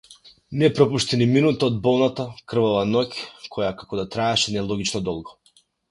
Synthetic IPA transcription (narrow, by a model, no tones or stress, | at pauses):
nɛpɾɔpuʃt̪iniminut̪aɔd̪̚bɔlˠnat̪akr̩vɔvanɔcʲkʰɔjakakɔd̪at̪ɾaɛʃɛnɛlˠɔɡʲit͡ʃnɔd̪ɔlˠɡɔ